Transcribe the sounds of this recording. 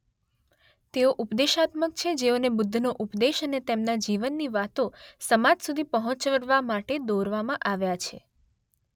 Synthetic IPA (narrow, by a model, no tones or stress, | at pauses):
t̪eoʔupd̪eʃat̪məkt͡ʃʰed͡ʒeonebʊd̪ʱːnoʔupd̪eʃənet̪emnad͡ʒiʋənːiʋat̪osəmad͡ʒsud̪ʱipəɦɔ̃t͡ʃəɾʋamaʈed̪oɾʋamãʔaʋjat͡ʃʰḛ